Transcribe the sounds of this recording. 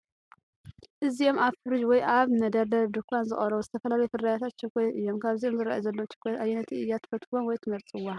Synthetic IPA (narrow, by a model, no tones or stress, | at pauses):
ʔɨzio̞mʔaβfɨɾɨd͡ʒwɔjʔaβnɐd̪ɐɾd̪ɐd̪ɨkʰʷːanzɨχʼɐɾɐwuzɨt̪ʰɐfɐlalɐjufɨddajat̪ʰat̪t͡ʃɐkʷːojʔɨjːo̞mkʰaβziomzɨɾa̰jzɐlːowt͡ʃɛ̥k̪ʰʷːajɛnɐt̪ʰiɨjːat̪ʰɨ̥fɐt̪ʰwonwɔjt̪ʰɨmɐɾt͡sʼɨwːa